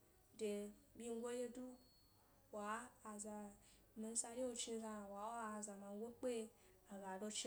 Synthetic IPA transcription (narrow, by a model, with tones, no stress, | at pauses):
de˨bʲi˦ŋ˦ɡʷo˦je˦du˦ | waː˨˦˨za˨ | mi˨n˦sa˧ɾi˦wo˧t͡ʃi˧˦ɡa˧˨wa˨˦o˦a˨za˨ma˨˦ɡʷo˦k͡pe˦ | a˨ɡa˨do˧t͡ʃi˦